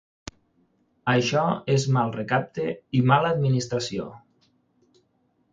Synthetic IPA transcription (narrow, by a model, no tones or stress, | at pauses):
əʃɔezmalˠrekap̚t̪eimaləd̪minist̪ɾasio̰